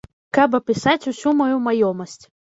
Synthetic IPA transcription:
kapɐpʲisat͡sʲusʲumajumajɔmɐsʲt͡sʲ

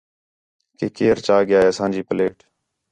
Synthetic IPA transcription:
keːkeːɾt͡ʃaːɠɪjaːeːəsãːɲd͡ʒiːpəleːʈ

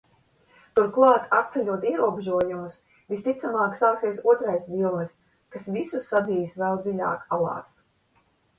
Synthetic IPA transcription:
t̪uɾklˠɑːt̪at̪̚t̪sɛlʲuɔt̪iɛɾuɔbeʒuɔjumus | vʲist̪it̪samɑːksaːksiɛsuɔt̪ɾajsvʲilˠnɨs | kasvisusːad̪ziːsvɛlˠd̪zilʲa̰ːkalˠɑ̰ːt̪s

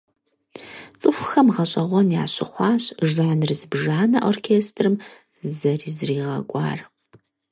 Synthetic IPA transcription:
t͡sʼɨxʷxɐmʁɐɕʼɐʁʷɔnjaːɕʼɪχʷɑːɕʒʕanrɨzɨbʒaːnɐʔorkʰeːstʰrɨm | zɐriːzriːʁɐ̰kʷʼɑ̰ːr

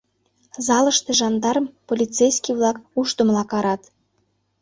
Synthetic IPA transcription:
zɑlə̆ʃt̪ĕʒɑnd̪ɑɾəmpolʲit͡sejskʲiβlɑkuʃt̪ə̆mlˠɑkɑɾɑt̪

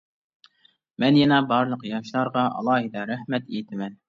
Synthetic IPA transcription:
mɛnjɑnɑbɑɾlˠɤqjɑʃlˠɑɾʁɑʔɑ̰lˠɑːhid̪ɑɾæhmɛt̪it̪ʰɪmɛn

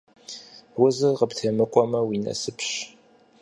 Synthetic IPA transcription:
wʊzɨqəptʰɐmɨkʷʼɔmɐwinɐ̰sɨpʰɕ

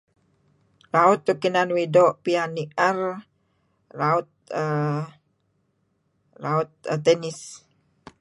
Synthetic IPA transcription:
laut̪̚ːukinanwidoʔpianiʔɛr | laut̪̚ə | laut̪̚t̪ːɛnis

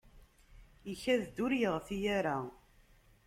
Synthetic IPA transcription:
içæðd̪uɾjəʁθijæɾa

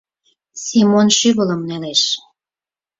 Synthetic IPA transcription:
simonʃyɣə̆ləmneleʃ

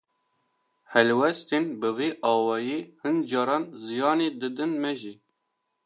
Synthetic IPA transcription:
hɛlwɛst̪enbɨveːʔɑːwɑːjeːhɨnd͡ʒɑːɾɑːnzɨjɑːneːd̪ɨd̪ɨnmɛʒiː

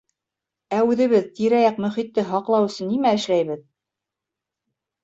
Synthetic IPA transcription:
æʉðɘ̆βɘðt̪iɾæjɑq̚mɵ̆χit̪ːɘɦɑqlˠɑw̆sɤ̆nːimæɘ̆ʃlæjβɘð

